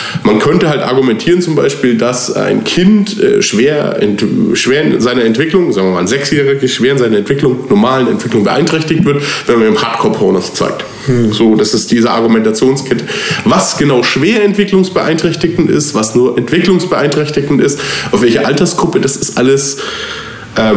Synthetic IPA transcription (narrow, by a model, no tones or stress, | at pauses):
mankʰœntəhaltʔa̰ɐɡumɛntʰiːʁənt͡sʊmbaɪʃpiːldasa̰ɪnkʰɪntʔɛ̰ːʃv̥eːɐɛ̰ntʃv̥eːɐɪnnzaɪnɐɛntv̥ɪklʊŋzaːɡŋviɐmaːlzɛksjeːʁɪɡəʃv̥eːɐɪnzaɪnɐɛntv̥ɪklʊŋnɔɐmaːlənɛ̰ntv̥ɪklʊŋbəʔa̰ɪntʁ̥ɛçtɪçtv̥ɪɐtvɛnmanɪmhaːtkʰɔɐpʰɔːnost͡sa̰ɪk̚t | z̥oːd̥asɪst̚d̥iːzəʔa̰ɐɡumɛntat͡sjoːnskʰɛtʰəvasɡ̥ənaʊʃv̥eːɐɛntv̥ɪklʊŋsb̥əʔa̰ɪntʁ̥ɛçtɪçn̩tɪ̰stv̥asnuːɐʔɛntv̥ɪklʊŋsb̥əʔa̰ɪntʁ̥ɛçtɪçn̩tɪstaʊfvɛlçɐʔaltɐsɡ̥ʁʊpəd̥asɪstʔa̰ləs | ʔɛː